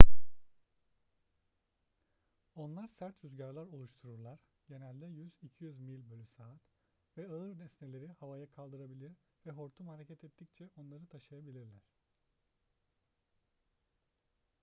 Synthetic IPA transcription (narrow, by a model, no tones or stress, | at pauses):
o̞nlˠaɾsæɾt̪ɾyzɟaɾlˠaɾo̞lˠuʃt̪ʰuɾuɾlˠaɾ | ɟ̥e̞nælʲd̪ɛjyzicʰijyzmilʲbølʲysaːat̪ | vɛɯɯɾnɛsnelʲe̞ɾihavajakʰalˠd̪ɯɾabilʲiɾvɛɦo̞ɾt̪ʰumhaɾecʰɛt̪ʰɛt̪ʰːict͡ʃʰɛo̞nlˠaɾɯt̪ʰaʃɯjabilʲiɾlʲæɾ̝̥